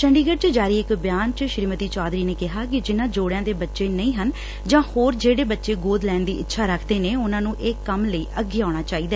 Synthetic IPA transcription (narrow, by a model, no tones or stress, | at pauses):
t͡ʃəɳɖiːɡəɽt͡ʃd͡ʒaːɾiːɪkbjaːnt͡ʃʃɾiːmət̪iːt͡ʃaːd̪ɾiːneːkɪɦaːkɪd͡ʒɪnãːd͡ʒoːɽãːd̪eːbətːʃeːnəĩːɦən | d͡ʒãːhoːɾd͡ʒeːɽeːbətːʃeːɡoːd̪lɛːnd̪iːɪtːʃʰaːɾəkʰd̪eːneːʊnãːnũːʔeːkəmləiːʔəɡːeːaːɽ̃aːt͡ʃaːiːd̪aː